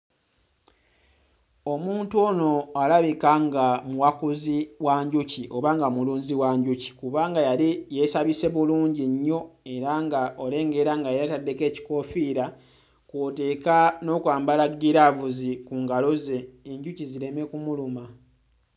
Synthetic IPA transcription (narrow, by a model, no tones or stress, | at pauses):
o̞muːntono̞alaβikaŋɡamuwakuziwaɲɟuciʔo̞βaːŋɡamuluːɲziwaɲɟuci̥kuβaːŋɡajalijesaβise̞βuluːɲɟiɲːo̞e̞ɾaŋɡaʔo̞le̞ːŋɡe̞ɾaŋɡajeatadːe̞ke̞ːci̥ko̞fiːɾa | kwote̞ːkano̞kwaːmbalaɡiɾavuzikuːŋɡalo̞ze̞ːɲɟuciziɾe̞me̞kumuluma